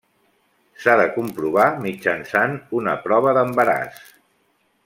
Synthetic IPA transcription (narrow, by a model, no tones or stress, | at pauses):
saðəkumpɾuβ̞amid͡ʒənsanunə̰pɾɔβ̞əðəmbəɾa̰s